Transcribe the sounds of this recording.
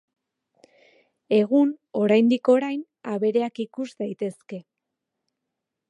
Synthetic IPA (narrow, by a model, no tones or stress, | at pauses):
e̞ɣuno̞ɾajnd̪iko̞ɾajn | aβe̞ɾe̞akikuzd̪ajt̪e̞ske̞